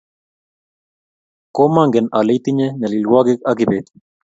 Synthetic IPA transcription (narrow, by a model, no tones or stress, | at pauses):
komaŋɡenalet̪iɲenelilwaɡekakibet̪